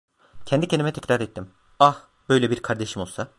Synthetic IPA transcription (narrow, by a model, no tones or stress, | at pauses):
cʰɛnd̪icʰenimɛt̪ʰɛcɾaɾɛt̪ʰːim | ah | b̥ø̞jlʲɛbiɾkʰaɾd̪e̞ʃimolˠsa